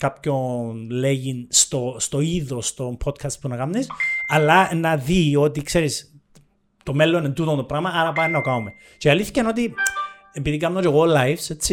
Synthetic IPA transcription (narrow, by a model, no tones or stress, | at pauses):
kapço̞nleʝinst̪o̞st̪o̞iðo̞st̪o̞mpʰo̞t̪kʰɐst̪̚punɐkɐmnisɐlːɐnɐðio̞t̪ikse̞ɾis | t̪o̞melːonend̪ut̪ont̪opɾɐɣmɐɐɾɐpɐinɐt̪o̞kɐume̞ | ceɐlːiθi̥cɐno̞t̪̬i | e̞piðikɐmnoceɣolɐjfse̞t͡sːi